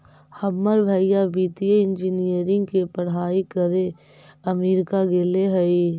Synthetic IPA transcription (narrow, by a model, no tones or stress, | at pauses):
hɐbməɾbʱəijabiːt̪ijeɪ̃nd͡ʒinijəɾɪ̃ŋɡkepəɽ̤aːikəɾe | ɐmiːɾɪkaɡeleɦəi